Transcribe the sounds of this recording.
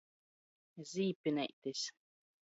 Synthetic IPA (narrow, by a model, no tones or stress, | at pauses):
zʲiːpʲinʲɛ̰jt̪esʲ